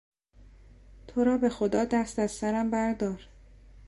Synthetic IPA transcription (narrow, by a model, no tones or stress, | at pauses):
t̪ʰoɾɒːbe̞xo̞d̪ɒːd̪æst̪æzsæɾæmbæɾd̪ɒːɾ